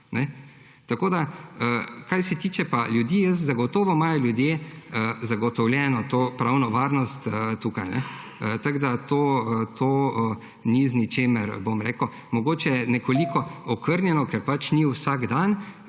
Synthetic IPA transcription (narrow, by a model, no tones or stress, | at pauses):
nɛ | t̪akoːd̪aəkajsɛt̪iːt͡ʃɛpaljud̪iːjəszaɡɔt̪oːʋɔmajɔlʲjud̪jeəzaɡɔt̪ɔwlʲjɛːnɔt̪oːpɾawnɔʋaːɾnɔst̪ət̪uːkajnɛ̰ | ət̪aɡd̪at̪oːt̪ʰoː | niznit͡ʃeːməɾbomɾeːkʊ | mɔɡoːt͡ʃɛnɛkɔlikɔɔkəɾnʲjɛnɔkɛɾpat͡ʃniwsaɡd̪an